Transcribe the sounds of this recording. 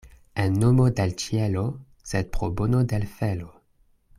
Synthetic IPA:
enːomodelt͡ʃielo | sed̚pʁobonodelfelo

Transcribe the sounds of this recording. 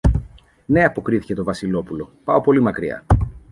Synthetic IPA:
ne̞ɐpo̞kɾiθi̥ce̞t̪o̞vɐsilo̞pulo̞pɐo̞po̞limɐkɾiɐ̰

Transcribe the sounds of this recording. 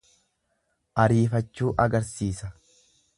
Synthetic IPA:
ʔɐɾiːfɐt͡ʃːuːʔɐɡɐɾsiːsɐ

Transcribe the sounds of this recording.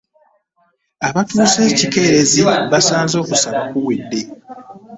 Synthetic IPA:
aβatuːse̞ːcike̞ːɾe̞ziβasaːnzo̞ːkusaβakuwidːe̞

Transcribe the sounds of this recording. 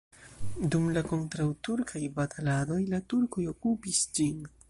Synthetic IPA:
dumlako̞ntɾawtuɾkʰajbatʰalado̞jlatuɾko̞jo̞kupisd͡ʒin

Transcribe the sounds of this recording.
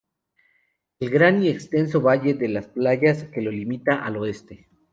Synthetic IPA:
e̞lɣɾanie̞kst̪e̞ns̬o̞βaʝe̞ðe̞lasplaʝaske̞lo̞limit̪aʔaloe̞st̪e̞

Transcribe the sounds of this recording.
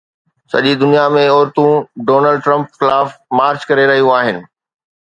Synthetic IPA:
sɐ̰ʄid̪ʊnijamẽɔːɾt̪ũɖoːnəlɖʈɾɐ̃mpxɪlaːfmaːɾt͡ɕkɐɾeɾɐɦijũaːɦɪnɪ̆

